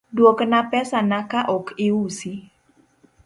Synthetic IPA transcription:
dwoknapɛsanakaʔɔkʰɪwusi

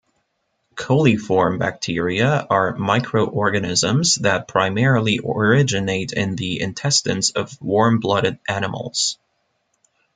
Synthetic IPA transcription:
kʰoʊlˠifɔɹmbæ̰k̚tʰɪɹiɨə˞maɪkʰɹoʊʔɔɹɡɨnɪzə̃mzðɨt̚pʰɹ̥aɪmɛɹl̩ˠiʔə˞ɪd͡ʒɨneɪɾɪ̰̃nðiɪ̰̃ntʰɛstɨ̰̃nsʌvwɔɹmblʌɾɨɾʔæñəml̩ˠz̥

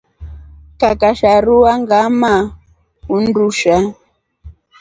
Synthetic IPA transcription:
kakaʃaɾuwaŋɡama | unduʃa

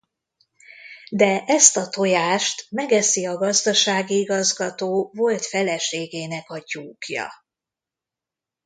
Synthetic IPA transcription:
d̪ɛʔɛst̪ɒt̪o̞jaːʃt̪mɛɡɛsiɒɡɒzd̪ɒʃaːɡiiɡɒzɡɒt̪oːvo̞lt̪fɛlɛʃeːɡeːnɛkɒɟuːkjɒ̰

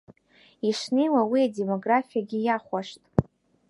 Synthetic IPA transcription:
iʂnejwawiade̞mo̞ɡrafijaɡʲɪjaχʷaʂtʼ

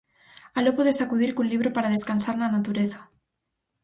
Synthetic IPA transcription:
alopoðesakuðiɾkunliβ̞ɾopaɾaðeskansaɾnanat̪uɾeθḁ

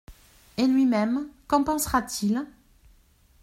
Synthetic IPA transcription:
elɥimɛmkɔ̃pɑ̃sʁat̪ʰil

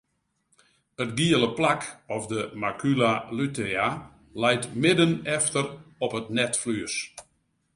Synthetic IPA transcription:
ətɡiələplakɔfdəmakʰylalytea | lɛjtmɪdənɛftərɔpətnɛtflyəs

